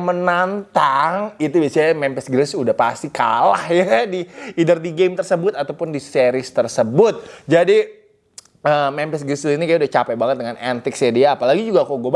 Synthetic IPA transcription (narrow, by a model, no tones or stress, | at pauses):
mənant̪aŋit̪ubiasaɲamɛmpɛsɡɾɪsudahpast̪ika̰lahjadiidərdiɡemt̪ərsəbʊt̪at̪awpʊndiseɾɪst̪ərsəbʊt̪̚d͡ʒadi | əmɛmpɛsɡɾɪsinikajaudaht͡ʃapajbaŋət̪̚dəŋanɛ̰nt̪ɪksadiaːpalaɡid͡ʒuɡakoɡob